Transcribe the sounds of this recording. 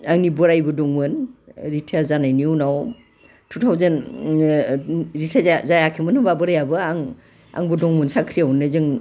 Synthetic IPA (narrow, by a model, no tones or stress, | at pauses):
aŋnibɔɾajbɯdɔŋmɯnɾitʰeɾzanajniunaw | tʰutʰawzɯn | ɾitʰazajakʰimɯnɯbabɯɾajabɯaŋ | a̰ŋbɯdɔŋmɯnsakʰɾiawnɯzɯŋ